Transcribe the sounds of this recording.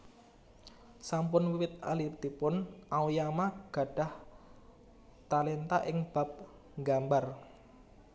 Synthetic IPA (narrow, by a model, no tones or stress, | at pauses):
sampʊnwiwɪt̪̚a̰lipt̪ipʊnʔawujamaɡ̥a̤ɖ̥ah | t̪alent̪a̰ʔɪŋb̥a̤p̚ | ŋɡambar